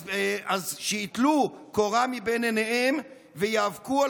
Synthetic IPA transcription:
azʃeit̪lukoʁamibeneneʔem | vejaːvkua

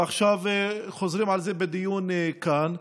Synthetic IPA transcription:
aχʃavxozɾiːmʕalzebed̪ɪjuːnkan

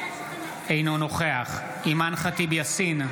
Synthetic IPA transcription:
ejno̞no̞χeaχ | imanχatibjasin

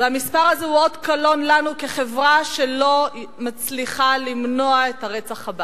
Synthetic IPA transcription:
veamispaʁazeuo̞dkalo̞nlanukeχe̞vʁaʃelo̞ | mat͡sliχalimno̞aethaʁet͡saχhaba

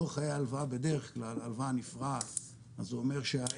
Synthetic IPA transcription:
eχajealvabe̞d̪e̞ʁeχklalalvanifʁat | azuome̞ʁʃea

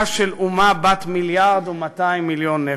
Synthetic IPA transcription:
ʃelʔumabat̪miljaʁd̪umat̪aimːiljonːe

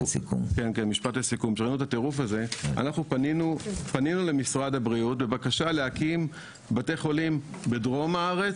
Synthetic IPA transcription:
kṵmkenkenmiʃpat̪lesikumʃeʁainut̪at̪e̞ʁufaze̞a̰naχnupaninupaninule̞misʁadabʁiutbe̞bakaʃaleakim | bateχo̞lim | be̞dʁo̞maaʁe̞t͡s

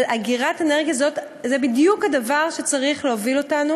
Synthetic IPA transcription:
laɡiʁateneʁɡijazo̞t | zebidjukhadavaʁʃet͡saʁiχleovilo̞tanu

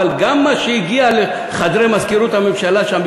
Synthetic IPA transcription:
alɡamːaʃeiɡiale | χad̪ɾemazkiɾut̪amemʃalaʃamb

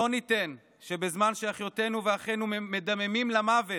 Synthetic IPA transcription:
onite̞n | ʃe̞be̞zmanʃeaχjo̞te̞nuveaχe̞nume̞damemimlamave̞

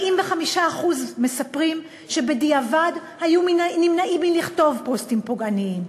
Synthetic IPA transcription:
ʔimveχamiʃaːχuzme̞sapʁim | ʃe̞be̞diavadhajuminnimnaʔimiliχto̞vpo̞stimpoɡaniim

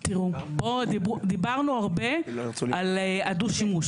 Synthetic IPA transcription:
t̪iʁubodibd̪ibaʁnuaʁbealead̪uʃimuʃ

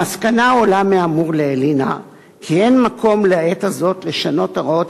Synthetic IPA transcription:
askanaolameamuʁleelina̰ | kʰie̞nmakʰo̞mleaetazo̞tle̞ʃano̞taʁaot

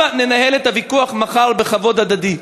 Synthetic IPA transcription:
ane̞nahe̞let̪havikuaχmaχalbeχavo̞d̪ad̪ad̪i

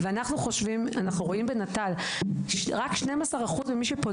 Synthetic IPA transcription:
veanaχnuχo̞ʃvimanaχnuʁo̞imbenatal | ʃʁakʃnemasaʁaχuzbemiʃepo

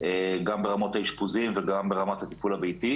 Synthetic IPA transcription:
eɡambeʁamo̞t̪haiʃpuzimveɡambe̞ʁamat̪hat̪ipulabejt̪i

